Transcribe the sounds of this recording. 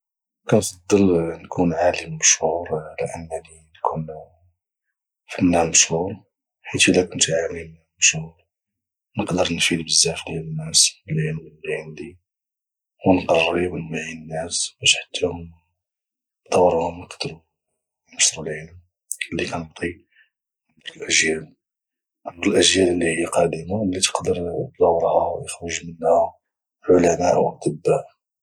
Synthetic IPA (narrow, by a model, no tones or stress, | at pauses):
kænsˤɑd̪ˤːəlnkʰunʕaləmːəʃhuɾlʕa̰mːælinkʰun | fənːæməʃhuɾ | ħit̪ilækʊnt̪ʕami | məʃhuɾ | nəqd̪əɾnfid̪bəzːæflæənːæsbəlʕilmənliʕənd̪i | wnqɑrˤːiwənmaʕinənːæsbæʃħḁt̪ʰːæhʊm | d̪ˤɑwɾˤhʊmnəqd̪ɾu | ɑʃɾulʕəlm | əlːikænəbt̪ˤi | nəq̪ɑɾˤəlʔæʒjæl | ʔɑɾəlʔæʒjæləlːihijːæqɑd̪əmalːit̪ə̥qd̪əɾd̪ˤɑwːɾˤhawjəxɾuʒmənhæ | ʕʊlæmæʔwʔɑ̰t̪ˤəbːaʔ